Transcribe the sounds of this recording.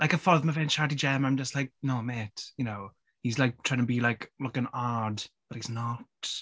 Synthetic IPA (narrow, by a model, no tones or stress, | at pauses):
laɪjkəfɔðməvɛnt͡ʃadid͡ʒɛmãɪ̃md͡ʒəstlajk̚nowmetjɨnow | hizlajk̚tʰaɪɪ̃ŋəbilajklʊkə̃nadb̥əthiznɔt